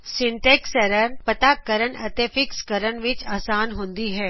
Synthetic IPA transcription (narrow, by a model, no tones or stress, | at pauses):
sɪɳʈeːksɐɾəɾpɐt̪akɐɾəɳɐt̪efɪkskɐɾənʋɪt͡ʃaːsaːnɦõːnd̪iɦɛː